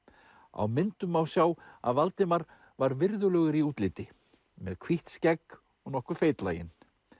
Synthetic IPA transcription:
a̰wmɪnt̪ʏmawsjaːwa̰ðvalt̪ɪmaɾ | vaɾvɪɾðʏlœːɣɪɾiuːt̪lɪːt̪ɪ | mɛðkʰviht̪scɛk | ɔɣnɔhkʏ̥feːjt̪la̰ːjɪ̰n

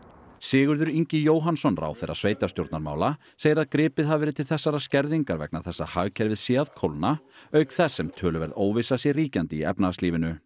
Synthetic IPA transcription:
sɪːɣʏɾðʏɾiɲcɪjoːwɦansɔnra̰ːwθejɾʔa̰sveːjt̪asjowɾt̪naɾma̰ːwla | seːjɪɾaðkɾɪːpɪðɦavvɛːɾɪðt̪ʰɪlθɛsːaɾascɛɾðiŋkaɾvɛ̰k̚naθɛsːahaɣcʰɛɾvɪðsɛːaðkʰowlnaœɥkθɛsːɛmt̪ʰœːlʏvɛɾðoːwvɪsasjɛɣriːcant̪ɪiɛ̰pnat̪liːvɪnʏ

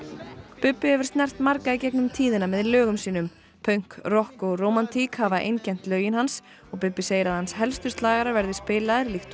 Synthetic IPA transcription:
pʏpːɪhɛvʏɾ̥st̪nɛr̥t̪maɾkaicɛknʏmt̪ʰiːðɪnamɛðlœːɣʏmsiːnʏm | pʰœɥjŋ̥krɔhkɔɣroːwmant̪ʰikhavaʔḛjncɛn̥t̪lœːɥjɪnɦans | ɔɣpʏpːɪseːjɪɾaðhanshɛlst̪ʏ̥ɾst̪laːɣaɾaɾvɛɾðɪ̥spɪːlaðɪɾlixht̪

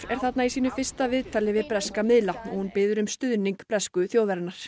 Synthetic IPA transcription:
ɾ̥ɛɾ̥θat̪naisiːnʏfɪr̥st̪avɪðt̪ʰalɪvɪðpɾɛskamɪðlanɔɣhunpɪːðʏɾʏmst̪ʏðniŋkpɾɛskʏθjoːwðvɛɾnaɾ̥

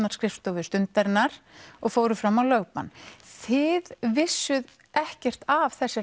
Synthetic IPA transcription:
naɾ̥skɾɪft̪ɔwvɪɾ̥st̪ʏnt̪aɾɪnːaɾ̥ɔɣfoːwɾʏfɾamːawlœːɥpanθɪðvɪsːʏð | ɛhcɛr̥t̪av̥θɛsːɪ

